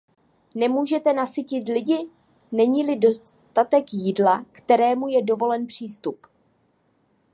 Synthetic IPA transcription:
nɛmuːʒɛt̪ɛnasɪcɪt̪lɪɟɪ | nɛɲiːlɪdo̞st̪at̪ɛkjidlakt̪ɛɾɛːmujɛdo̞vo̞lɛnpr̝̥iːst̪up

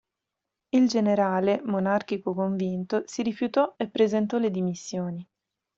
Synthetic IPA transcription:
ild͡ʒeneɾaːlemonark̟ikokoɱvint̪osiɾifjut̪ɔepːɾezent̪ɔled̪imisːjoːni

